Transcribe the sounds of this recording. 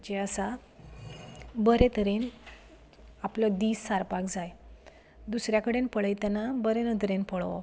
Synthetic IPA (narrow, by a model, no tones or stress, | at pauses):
d͡ʑeəsa | bəɾet̪əɾen | apləd̪iːsːaɾpakd͡zaj | d̪usɾjakəɽenpəɭəjt̪anabəɾenəd̪ʱɾenpəɭʋɔ̰